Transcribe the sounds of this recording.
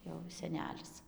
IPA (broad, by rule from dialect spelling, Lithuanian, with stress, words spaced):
jɛʊ sʲɛˈnʲæːlʲɪs